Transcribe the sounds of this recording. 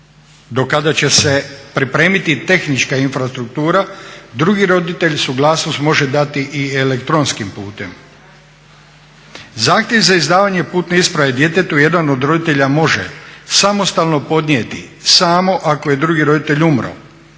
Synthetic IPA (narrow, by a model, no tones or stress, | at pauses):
d̪o̞kad̪at͡ɕe̞se̞pɾipɾe̞ːmit̪it̪e̞xnit͡ʃkainfɾast̪ɾuk̚t̪uːɾad̪ɾuɡiɾo̞d̪it̪e̞ʎsuɡlˠaːsnost̪mo̞ʒe̞d̪at̪iʔielekt̪ɾo̞nskimpuːt̪e̞m | zaːxt̪jeʋzaizd̪aːʋaɲe̞puːt̪neispɾaʋe̞d̪je̞t̪e̞t̪uje̞d̪ano̞d̪ɾo̞d̪it̪e̞ʎamo̞ʒḛsamo̞st̪alno̞po̞d̪niet̪isaːmo̞ʔako̞je̞d̪ɾuɡiɾo̞d̪it̪eʎumɾo̰